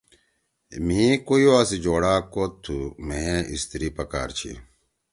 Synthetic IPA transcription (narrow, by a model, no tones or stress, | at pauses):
mĩkojoɐsid͡ʑoːɽaːkot̪ʰːumeeʔḭst̪iɾipɐka̰ːɾt͡ɕʰḭ